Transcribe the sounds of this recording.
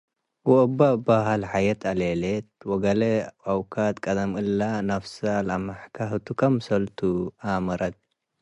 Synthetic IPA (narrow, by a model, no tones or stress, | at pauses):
wɔʔɨbabaɦalħajɐt̪ʰalelet̪̚wɔɡɐlɐʔawkʰat̪kʼɐd̪ɐmɨlːanɐfsalamaħkʰahɨt̪ʰukʰɐmsɐlt̪ʰuamɐɾɐt̪̚